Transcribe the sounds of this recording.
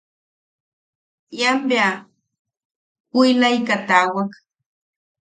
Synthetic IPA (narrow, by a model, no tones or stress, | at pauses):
jambja | ʊjlajkat̪aːwak